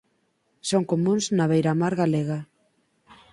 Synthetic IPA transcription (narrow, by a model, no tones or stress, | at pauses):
soŋkomũnznaβejɾamaɾɣaleɣa